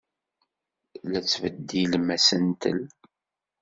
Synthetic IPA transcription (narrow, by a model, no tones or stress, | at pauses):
læt͡sːvəd̪ːilmæsənt̪ə̰l